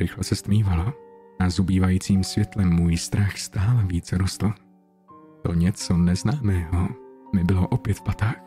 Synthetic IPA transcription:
ɾɪxlɛsɛst̪miːvaloazubiːvajiːt͡siːmsvjɛt̪lɛmːuːjst̪ɾaxst̪aːlɛviːt͡sɛɾost̪l̩ | t̪o̰ɲɛt͡sonɛznaːmɛːɦomɪbɪloʔopjɛt̪fpat̪aːx

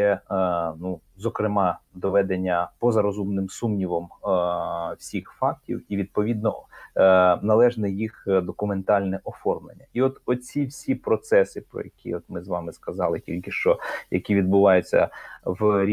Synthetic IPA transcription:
ɛnu | zɔkɾɪmɑd̪ɔʋɛd̪enʲːɐpɔzɐɾɔzumnɪmsumnʲiʋɔm | wsʲixfɑk̚tʲḭwiʋʲid̪̚pɔʋʲid̪̚nɔ | nɐlˠɛʒnɛjixd̪ɔkʊme̞nt̪ɑlʲnɛʔɔfɔrmlˠḛnʲːɐiɔt̪ɔt͡sʲiwsʲipɾɔt̪sɛsɪpɾɔ̰jɐkʲʰḭɔt̪mɪzʋɑmɪskɐzɑlˠɪtʲḭlʲkɪʃt͡ʃɔjɐkʲiʋʲid̪̚bʊʋɑjʊt͡sʲːɐ̰wɾʲ

